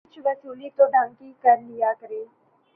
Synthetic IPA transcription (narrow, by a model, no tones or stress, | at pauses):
t͡ʃʋəsuːliːt̪õːɖãːŋkikəɾlɪjaːkəɾeː